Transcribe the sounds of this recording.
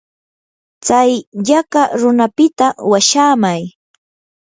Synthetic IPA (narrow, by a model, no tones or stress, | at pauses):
t͡sajʎakaɾʊnapɪt̪awaʃaːmaj